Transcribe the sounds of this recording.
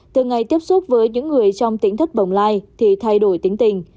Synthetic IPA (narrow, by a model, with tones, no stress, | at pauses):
t̪ɨ˨˩ŋa˨˩jt̪i˦˥əp̚su˦˥t̚vəː˨˦jɲɨ̰˧˥ŋːɨ˨˩əjt͡ɕɔ˧wŋ͡mt̪i˨˦ənt̪ʰi˦˥k̟̚ɓə̰˧˨˩wŋ͡mlaː˧jt̪ʰi˨˩t̪ʰa˧jɗo˧˩jt̪i˨˦əŋt̪ï˨˩ŋ̟